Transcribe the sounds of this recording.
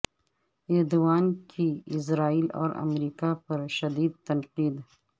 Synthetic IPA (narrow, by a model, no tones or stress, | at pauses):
ed̪waːnkʰiɪs̬ɾaːiːlɔ̰ːɾa̰mɾiːkapɐɾʃɐd̪iːd̪̚t̪ɐnqiːd̪